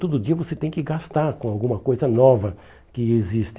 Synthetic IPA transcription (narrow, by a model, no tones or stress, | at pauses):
t̪od̪ʊd͡ʒiɐvoset̪ẽj̃kɪɡast̪aɾkõawɡũmɐkojzɐnɔvɐ | kɪezist̪